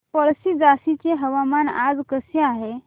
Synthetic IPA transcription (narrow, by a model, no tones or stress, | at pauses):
pəɭsid͡zasit͡ɕeɦəʋamana̰d͡zkəseaɦe